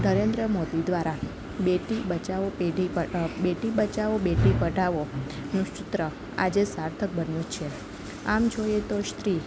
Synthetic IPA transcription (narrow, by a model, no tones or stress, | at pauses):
nəɾend̪ɾəmod̪id̪ʋaɾa | beʈibət͡ʃaʋopeɖiəbeʈibət͡ʃaʋobeʈipəʈaʋonũʃʊt̪ɾə | a̰d͡ʒesaɾt̪ʰək̚bənjũt͡ʃʰe | amd͡ʒojet̪oʃt̪ɾi